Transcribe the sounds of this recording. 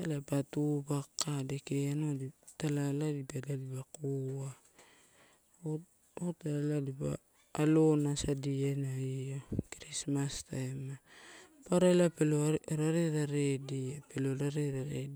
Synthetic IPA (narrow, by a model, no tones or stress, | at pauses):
alapatubakːadekeanoditalaladibadadibakoa | otaaladiba̰ː | lo̞nasadienaiokɾismastajma | paɾalapeloɾaɾeɾaɾediapeloɾaɾeɾaɾḛi